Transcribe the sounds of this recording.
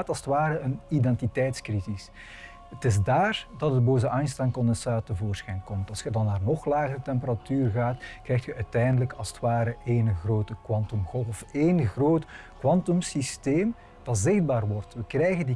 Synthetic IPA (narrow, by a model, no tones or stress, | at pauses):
tɑlˠzə̥tʋaːɾəənidɛntitɛjtskrizis | ətɪzdaːrdɑtədəboːzəʔajnstaŋkɔndəsaːtəvoːrsxɛjnkɔmtɑlˠsxədɑnːaːrnɔxlaːɣəɾətɛmpəɾatyːrɣaːtkrɛjxtxəʔœːtɛjndələkɑlˠzə̥twʋaːɾəeːnɣroːtəkwɑntɔmɣɔlˠfɔfeːnɣroːtkwɑntɔmsisteːm | d̥ɑtzɪɣd̚baːrʋɔrtʋəkrɛjɣəndi